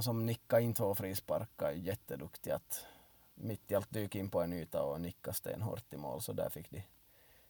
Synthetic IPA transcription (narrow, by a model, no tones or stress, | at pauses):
sɔmnɪkːaɪnt̪ʰvoːfɾiːspɑ̰ɾkːaɛjɛt̪ːəd̪ɵkt̪ɪat̪ | mɪt̪̚d̪ɪɑlt̪̚d̪ʉːkɪnːpɔɛnʉːt̪ɑ̰ɔnɪkːast̪ḛːnɦo̰ːɾt̪ːɪmo̰ːlsɔd̪æ̰ːɾfɪkːd̪ɪ